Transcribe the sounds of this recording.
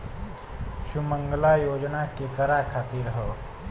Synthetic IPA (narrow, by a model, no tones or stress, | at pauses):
ɕuməŋɡlajod͡ʑnakekəɾakʰat̪iːɾɦə